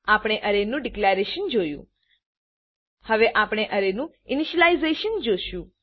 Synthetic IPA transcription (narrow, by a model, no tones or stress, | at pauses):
apɳ̃eʔəɾenũɖiklaɾeʃənd͡ʒojṵ̃ | həʋeʔapɳ̃eʔəɾenũ | ɪniʃəlaizeʃənd͡ʒoʃũ